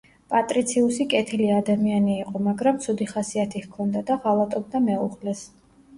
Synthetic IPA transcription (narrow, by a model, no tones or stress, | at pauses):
pʼat̪ʼɾit̪sʰiusikʼɛt̪ʰiliad̪amianiːqʼɔmaɡɾamt̪sʰud̪iχasiat̪ʰihkʰɔnd̪ad̪aʁalˠat̪ʼɔb̚d̪amɛuʁlɛs